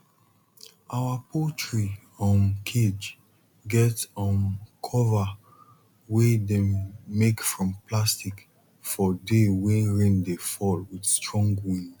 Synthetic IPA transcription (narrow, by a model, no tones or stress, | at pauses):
ʔawapʰotʰɹi | ɔ̃nkʰed͡ʒ | ɡɛtɔ̃nkʰɔva | wedɛ̃mːekfɹɔ̃mplastik | fɔdewɛ̃nɹɛ̃ndefɔlwidstɹɔ̃ŋɡwĩn